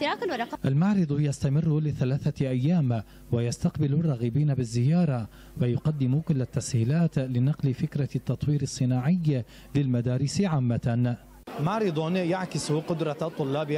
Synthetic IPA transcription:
ɾɑːklwɑɾˤɑqʔalmaʕɾɨd̪ˤjast̪amɪrːʊlɪθalaːθaʔajːaːm | wajast̪aqbɪlʊrˤːɑːɣiːbiːnabɪzːɪjɑːɾˤɑ | wajʊqɑd̪ːɪmʊkʊlːat̪ːashiːlaːt̪lɪnɑqlɪfɪkɾˤɑt̪ːɑt̪ˤwiːɾɪsˤːɨnaːʕɪjː | lɪlmad̪aːɾɪsʕaːmːan | maʕɾɨd̪ˤjaʕkɪsqʊd̪ɾˤɑt̪ˤːʊlːɑːbɪ

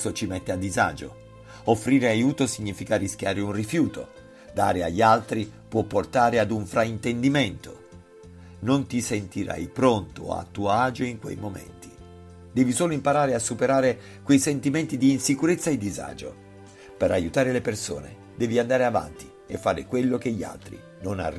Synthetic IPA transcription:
ot͡ʃimɛt̪ːead̪ːiza̰ːd͡ʒo̰ | ofːɾiːɾeajuːt̪osiɲːifikariskʲjaːɾeunrifjuːt̪o̰ | d̪a̰ːɾea̰ʎːalt̪ɾipwɔpːort̪aːɾead̪uɱfɾaint̪end̪iment̪o̰ | nont̪isent̪iɾa̰jpɾont̪o̰a̰t̪ːuːaːd͡ʒoiŋkwḛjmomḛnt̪i̥ | d̪ɛːvisoːloimpaɾaːɾeasːupeɾaːɾe | kwejsent̪iment̪id̪iːnsikuɾet̪sːaed̪ːiza̰ːd͡ʒo̰ | peɾajut̪aːɾeleperso̰ːnḛ | d̪ɛːviand̪aːɾeava̰nt̪i̥ | efːaːɾḛkwelːok̟eʎːa̰lt̪ɾḭ | nona̰r

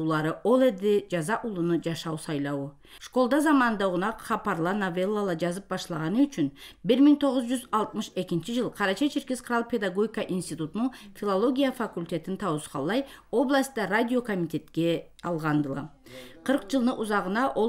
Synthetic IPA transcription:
lˠɑɾəwo̞lˠed̪ed͡ʒɑzɑʔʊlˠənəd͡ʒɑʃɑwsɑjlˠɑwə | ʃko̞lˠd̪ɑzɑmɑnənd̪ɑʁʊnɑqχɑpɑɾlˠɑnovelˠːalˠɑd͡ʒɑzəp̚bɑʃlˠɑʁɑnəʏt͡ʃʏnbɪɾmɪŋt̪ʰo̞ʁəzʒʏzɑlˠt̪məʃe̞kʲɪnʃɪʒəlˠqʰɑɾɑt͡ʃɑt͡ʃʰeɾkʲezqʰʊɾɑlˠpʰʲe̞d̪aɡo̞ɡʲikɑʔinst̪ijt̪ut̪ʊnəɴfʲilˠolˠo̞ɡʲijafakulʲt̪ʲe̞t̪ɪnt̪ʰɑwəsqɑ̰lˠɑj | wo̞blˠast̪ɑrad̪ʲijo̞kʰo̞mit̪ʲe̞t̪kʲe̞ | ɑlˠʁɑnd̪əlˠɑ̰ | qʰəɾqʒəlˠd̪əʔʊzɑʁənɑʔo

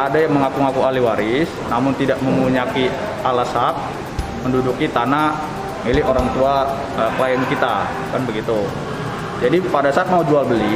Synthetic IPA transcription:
adajaŋməŋakuŋakualiwaɾɪs | namʊnt̪idaʔməmuɲaki | ʔalasak̚ | məndudukit̪ana | milɪɦoɾaŋt̪ua | əkəlajankit̪a | kanbəɡit̪u | d͡ʒadipadasaat̪̚maud͡ʒualbəli

